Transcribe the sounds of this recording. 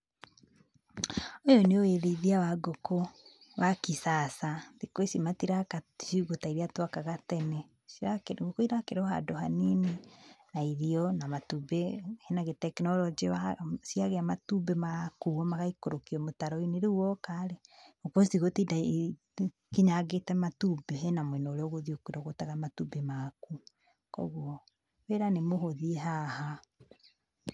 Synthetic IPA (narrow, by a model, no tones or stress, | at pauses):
ojɔneoeɾeiðiawaɡoko | wʔakisasaðikwesimatiɾakaʃiɣotaiɾiatwakaɣatɛnɛ | aɡokoiɾakeɾɔɦa̰dohanininaiðiɔnamatubehenaɣetɛknɔlɔd͡ʒeasiaɣeamatubemakuɔmaɣaikoɾokiɔmotaɾɔineɾewɔkaɾeokɔstiɣotida | kiɲaɣetɛmatubeɦɛnamwɛnɔɾeɔɣoðiokuiɾɔɣotaɣamatubemaku | kɔ̰ɣuɔ | weɾanemoɦoðiɦaha